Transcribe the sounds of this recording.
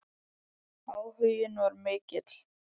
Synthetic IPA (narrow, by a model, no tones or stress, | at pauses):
aːwhʏjɪnvaɾmɪːcɪt̪l̥